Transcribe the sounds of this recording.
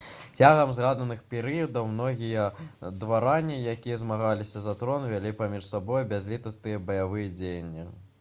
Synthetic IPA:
t͡sʲaɣɐmzɣad̪ɐnɨxpʲɛɾɨjɐd̪ɐwmnɔɣʲijɐd̪vaɾanʲːijakʲijɐzmaɣalʲisʲɐzat̪ɾɔnvʲalʲipamʲiʂsabɔjbʲazʲlʲit̪ɐst̪ɨjɐbɐjavɨjɐd͡zʲejɐnʲːi

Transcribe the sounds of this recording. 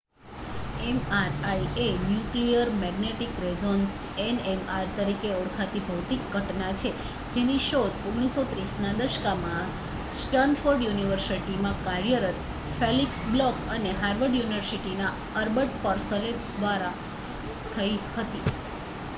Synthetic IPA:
ɛmaɾajienjuklijəɾmɛɡneʈikɾezons | enemaɾt̪əɾikeɔɽkʰat̪ibʱəwt̪ikɡʱəʈnat͡ʃʰe | d͡ʒeniʃod̪oɡɽ̃isot̪ɾisnad̪əʃkamã | sʈənfoɾɖjuniʋəɾsiʈimãkaɾjəɾət̪ | feliksblɔkəneɦaɾʋəɖjuniʋəɾsiʈina | əɾbəʈpəɾsəle | d̪ʋaɾa | t̪ʰəihət̪i

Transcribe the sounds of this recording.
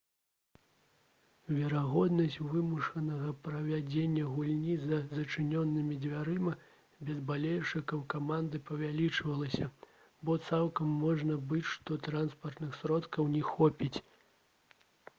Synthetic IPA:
vʲɛɾaɣɔd̪nɐsʲt͡sʲvɨmuʂɐnɐɣɐpɾɐvʲad͡zʲenʲːɐɣulʲnʲizɐzɐt͡ʂɨnʲɔnːɨmʲid͡zʲvʲaɾɨmɐ | bʲɛzbalʲejuʂɨkɐwkamand̪ɨpɐvʲalʲit͡ʂvɐlˠɐsʲɐ | bɔt̪sawˠkɐmːɔʐnɐbɨt͡sʲʂt̪ɔt̪ɾanspɐrt̪nɨxsɾɔt̪kɐwnʲɛxɔpʲit͡sʲ

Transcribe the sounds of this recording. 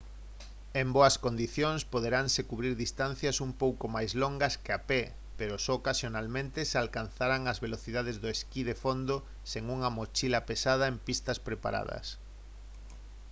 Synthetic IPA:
emboɐskond̪iθjoŋspoð̞eɾaŋsekuβɾiɾðist̪an̟θjɐsumpowkomajzloŋɡɐskeape | peɾosɔːkasjonalmẽnt̪esalkanθaɾaŋɐzβeloθiðað̞ezðoeskiðefond̪o | seŋuŋɐmot͡ʃilɐpesað̞ɐempist̪ɐspɾepa̰ɾa̰ðɐ̰s

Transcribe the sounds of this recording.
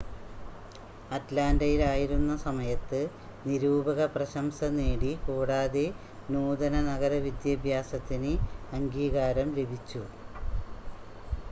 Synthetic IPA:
ɐtlaːndɐjilaːjiɾunːɐsɐmɐjɐt̪ːɨ | niɾuːbɐɣɐprɐɕɐmsɐneːɽikoːɽaːðe | nuːd̪ɐnɐnɐɣɐɾɐʋid̪jɐbʱjaːsɐt̪ːinɨɐŋɡiːɣaːɾɐmle̞bʱit͡ɕːu

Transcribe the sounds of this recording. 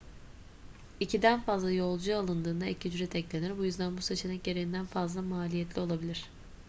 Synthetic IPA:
icʰid̪ænfazlˠajo̞lˠd͡ʒualˠɯnd̪ɯːnd̪aecʰid͡ʒyɾɛt̪ʰɛclʲeniɾbujyzd̪ænbuset͡ʃʰe̞nɛc̚ɟe̞ɾeind̪ænfazlˠamaːlʲijɛt̪lʲio̞lˠabilʲiɾ̝̥

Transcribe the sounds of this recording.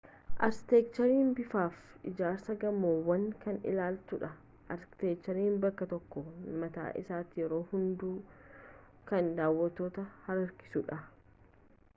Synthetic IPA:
ʔɐ̰ɾst̪eːk̚t͡ʃɐɾiːnbɪfaːfʔɪ̰d͡ʒaːɾsɐɡɐmːoːwɐŋkɐnɪ̰laːlt̪ʊᶑɐ | ʔɐɾ̥t̪eːkt͡ʃːɐɾiːmbɐkːɐt̪ɔkːɔmɐt̪a̰ːʔɪ̰saːt̪ːɪjɛɾo̞ːhʊnd̪uː | kɐnd̪aːwːɐt̪ːoːt̪ɐhɐɾɐɾkɪ̥sʊᶑɐ

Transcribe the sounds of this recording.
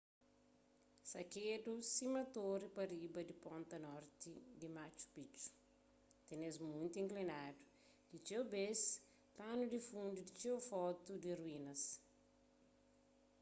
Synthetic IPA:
sɐkedusimɐt̪oɾipɐɾibɐd̪ipɔ̃nt̪ɐnɔɾt̪id̪imat͡ʃu̥pit͡ʃu̥ | t̪enezmũnt̪uĩŋklinadu | d̪̥it͡ʃewbes | panud̪ifũnd̪ud̪it͡ʃewfɔt̪ud̪iruinɐs

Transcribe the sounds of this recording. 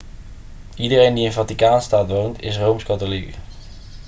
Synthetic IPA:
idərejndiɪnvɑtikaːnstaːtʋowntɪ̰s̬rowmskɑtolik

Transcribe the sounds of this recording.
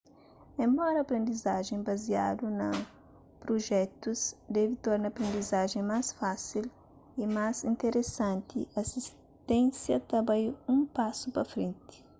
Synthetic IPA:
ẽmbɔɾɐpɾẽnd̪izaʒẽbɐziad̪unɐ | pɾoʒɛt̪uzd̪ɛvit̪ɔɾnɐpɾẽnd̪izaʒẽmasfasil | imazĩnt̪eɾʔesãnt̪iʔɐsis | t̪ẽnsjɐt̪ɐbajũmpasupɐfɾẽnt̪i̥

